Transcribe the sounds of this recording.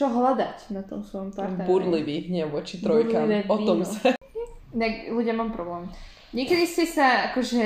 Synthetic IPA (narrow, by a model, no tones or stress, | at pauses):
ɔɦlad̪acnat̪ɔmsʋɔjɔmpaɾbuɾliʋiɦɲɛʋɔt͡ʃit̪ɾɔjɾlkaiʋɛɔt̪ːɔmsa | t̪aɡluɟɪjamamupɾɔblɛːm | ɲɪɛkɛd̪iscɛsaakɔʒɛ